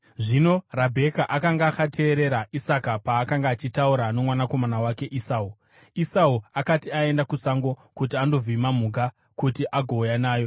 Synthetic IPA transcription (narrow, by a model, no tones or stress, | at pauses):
ʐino̞rabʱe̞kaʔakaŋɡaːkatʰe̞ːɾe̞ɾaisakapaːkaŋɡaːt͡ʃitauɾano̞mwanako̞manawake̞ʔisaːu | isauakatiae̞ndakusaŋɡo̞kut̬iando̞vimamuɡʱa | kutiʔaɡʱoːjanaːjo̞